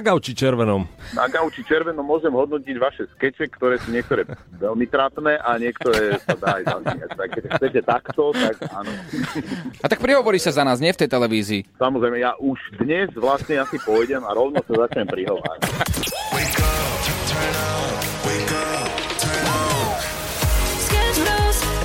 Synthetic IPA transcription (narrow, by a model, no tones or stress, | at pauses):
aɡaʊt͡ʃit͡ʃɛɾʋɛnɔmna̰ɡaʊt͡ʃit͡ʃɛɾʋɛnɔmːʊɔʒɛmɦɔd̪nɔciɟʋaʃɛskɛt͡ʃɛkt̪ɔɾɛːsuɲɪɛkt̪ɔɾɛːʋɛlmit̪ɾat̪nɛːʔaɲɪɛkt̪ɔɾɛsad̪aːjza̰zmɛɲac̪akkɛcsaxt͡sɛcɛt̪akt̪ɔt̪akanɔ | at̪ak̚pɾiɦɔʋɔɾiːsazanaːzɲɪɛft̪ɛjt̪ɛlɛʋiːziːsamɔzɾɛjmɛjaʔuʒd̪ɲɛzʋlastɲɛasipɔjɟɛmaɾɔʊnɔsazat͡ʃɲɛmpɾiɦɔʋa̰ːɾa̰wiɡtʰənatwikʰː | a | skɛsɡoz